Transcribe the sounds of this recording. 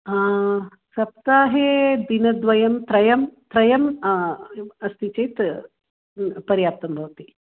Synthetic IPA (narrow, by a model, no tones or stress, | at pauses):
a | sɐp̚t̪aːɦed̪inɐd̪ʋɐjɐmt̪ɾɐjɐmt̪ɾɐjɐm | ɐst̪ʰit͡ʃɐjt̪ | pɐɾjaːp̚t̪ɐmbʱɐʋt̪i